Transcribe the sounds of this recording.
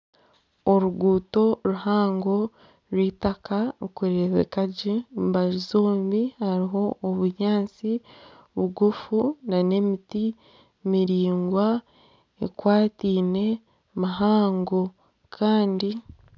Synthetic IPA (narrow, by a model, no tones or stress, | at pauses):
oɾuɡuːto̞ɾuhaːŋɡo̞ | ɾwiːtakaukuɾeβḛkaɟembaɾizoːmbihaɾiɦo̞ʔːβuɲaːnt͡si | βuɡufunane̞miti | miɾiːŋɡwa | ḛkwaːtiːne̞ | maɦaːŋɡo̞ | kʰaːndi